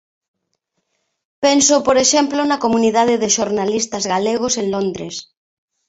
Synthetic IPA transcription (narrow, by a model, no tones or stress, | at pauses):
pensopoɾeʃɛmplonakomuniðað̞eðeʃoɾnalist̪ɐzɣaleɣ̞oseŋlond̪ɾes